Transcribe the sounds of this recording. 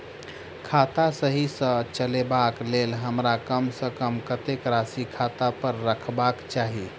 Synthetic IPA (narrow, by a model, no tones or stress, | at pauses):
kʰat̪asəɦisə̃t͡ʃəlebaklelɦəmɾakəmsəkəmkət̪ekɾasikʰat̪apəɾːəkʰbakt͡ʃaɦi